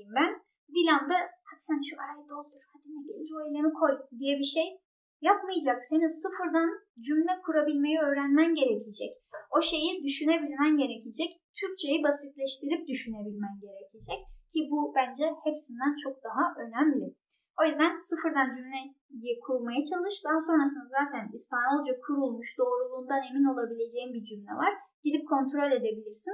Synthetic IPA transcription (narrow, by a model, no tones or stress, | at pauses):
imbæn | d̪ilʲand̪ɯhad̪sænʃuaɾajd̪o̞lˠd̪uɾhad̪inɛɟelʲiɾoelʲe̞mikʰo̞jd̪ijɛbiʃej | japmɯjd͡ʒaksenisɯfɯɾd̪an | d͡ʒymlʲɛkʰuɾabilʲme̞jɛø̞ːɾænmænɟe̞ɾecʰid͡ʒɛc | o̞ʃe̞jid̪yʃynebilʲmænɟe̞ɾecʰid͡ʒɛct̪ʰyɾc̚t͡ʃʰe̞jibasit̪lʲɛʃt̪ʰiɾip̚d̪yʃyne̞bilʲmænɟe̞ɾecʰid͡ʒɛccʰibubænd͡ʒɛhepsind̪ænt͡ʃʰo̞k̚d̪̥aɦaʔø̞næmlʲɪ | o̞jyzd̪ænsɯfɯɾd̪and͡ʒymlʲɛ | jijɛkʰuɾulˠmajat͡ʃʰalˠɯʃd̪aɦaso̞nɾasɯnd̪azaːt̪ʰænispanolˠd͡ʒakʰuɾulˠmuʃd̪o̞ːɾulˠuːnd̪ane̞mino̞lˠabilʲe̞d͡ʒe̞jimbid͡ʒymlʲɛ̰vaɾ̥ | ɟ̥id̪ip̚kʰo̞nt̪ʰɾo̞lʲe̞d̪e̞bilʲiɾsin